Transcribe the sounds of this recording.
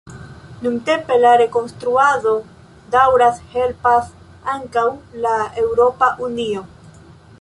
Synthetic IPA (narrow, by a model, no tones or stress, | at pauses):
nunte̞mpe̞laɾe̞ko̞nstɾuado̞ | dawɾashe̞lpas | aŋkawlae̞wɾo̞paʔunio̞